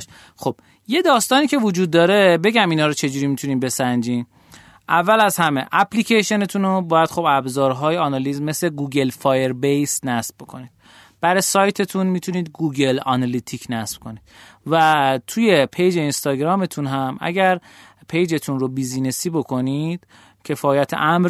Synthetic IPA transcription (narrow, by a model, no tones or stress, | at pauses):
xob̥ | je̞d̪ɒːst̪ɒːniːcʰe̞vod͡ʒuːd̪̚ːɒːɾe̞be̞ɟæminhɒːɾot͡ʃʰe̞d͡ʒuːɾiːmit̪ʰuniːnbe̞sænd͡ʒiːn | ʔævːælæzhæme̞ʔæpʰlicʰeʃe̞net̪ʰunobɒːjæd̪̥xo̞bæbzɒːɾɦɒːjeɒːnɒlizmesle̞ɡuːɡe̞lfɒːjeɾbejsnæsb̚bo̞kʰo̞̰niːd̪ | b̥æɾɒjsɒːjt̪ʰe̞t̪ʰunmit̪ʰuniːd̪ɡuːɡe̞lɒ̰nɒlit̪ʰikʰnæsb̥kʰo̞ni̥væt̪ʰuje̞pʰejd͡ʒe̞inst̪ɒːɡɾɒːme̞t̪ʰunɦæmʔæ̰ɟæɾ | pʰejd͡ʒe̞t̪ʰunrobizinesiːbo̞kʰo̞nid̪̥ | cʰe̞fɒːjæt̪ʰḛʔæmɾ